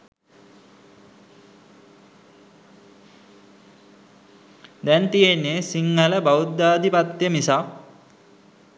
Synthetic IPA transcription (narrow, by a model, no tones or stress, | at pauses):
d̪ɛnt̪ijenːesiŋːələbaut̪d̪aːd̪ipat̪jəmisa